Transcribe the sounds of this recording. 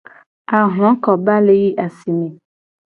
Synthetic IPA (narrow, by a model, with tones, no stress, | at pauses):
a˨ɦl̃ɔ̃˦kɔ˨ba˦le˦ji˦ʔa˨si˨mẽ˨